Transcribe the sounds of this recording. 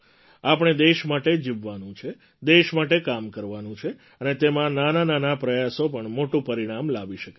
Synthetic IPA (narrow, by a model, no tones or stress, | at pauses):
apɳ̃ed̪eʃmaʈed͡ʒiʋʋanũt͡ʃʰe | d̪eʃmaʈekamkəɾʋanũt͡ʃʰe | ənet̪emãnanananapɾəjasopəɳmoʈũpəɾiɽ̃amlaʋiʃəke